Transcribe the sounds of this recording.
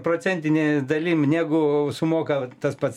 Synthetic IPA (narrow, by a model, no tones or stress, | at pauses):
proːt͡sʲɛnʲt̪ʲɪnʲed̪ɐlʲiːmnʲæːɡʊsʊmoːkɐt̪ɐspɐt̪s